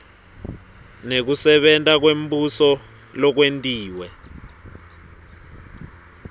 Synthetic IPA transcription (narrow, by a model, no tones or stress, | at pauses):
nek̬usɛɓɛntʼak̬wembusɔ | lɔk̬wentʼiːwɛ